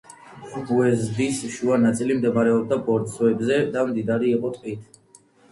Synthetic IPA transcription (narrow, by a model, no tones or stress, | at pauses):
subuɛzbisʃuanat̪sʼilimd̪ɛmaɾɛɔb̚d̪abɔɾt̪sɔɛbzɛd̪amd̪id̪aɾiːqʼɔt̪ʼqʼit̪ʰ